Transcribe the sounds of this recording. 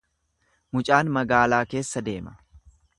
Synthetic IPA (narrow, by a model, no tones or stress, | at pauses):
mʊt͡ʃʼaːnmɐɡaːlaːke̞ːsːɐd̪e̞̰ːmɐ̥